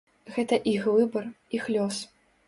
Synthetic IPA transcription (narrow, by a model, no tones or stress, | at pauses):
ɣɛt̪ɐʔixvɨbɐr | ixlʲɔs